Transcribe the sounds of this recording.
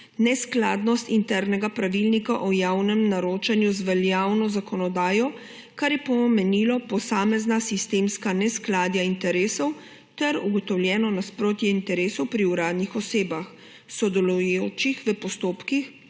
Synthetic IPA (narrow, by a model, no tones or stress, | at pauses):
nɛsklaːd̪nɔst̪int̪ɛɾnɛɡapɾaʋilnikaʔɔjaːwnɛmnaɾoːt͡ʃanjuzʋɛljaːwnɔzakɔnɔd̪aːjɔ | kaɾjɛpɔmɛnilɔpɔsaːmɛznasist̪eːmskanɛsklaːd̪jaint̪ɛɾeːsɔw | t̪ɛɾuɡɔt̪ɔwlʲjɛːnɔnaspɾoːt̪jɛint̪ɛɾeːsɔwpɾiuɾaːd̪nixɔseːbax | sɔd̪ɛlujoːt͡ʃixʋəpɔst̪oːpkix